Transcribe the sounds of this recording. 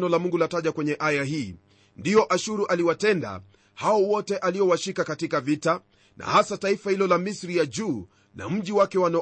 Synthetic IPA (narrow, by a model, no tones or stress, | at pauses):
nɔlamuŋɡulataʄakwɛɲɛʔajahiː | ndiɔʔaʃuɾuʔaliwatɛnda̰ | haɔwɔtɛʔaliɔwaʃikakatikavita | nʔa̰hasataifahilɔlamisɾijad͡ʒuː | na̰m̩ʄiwakɛwanɔ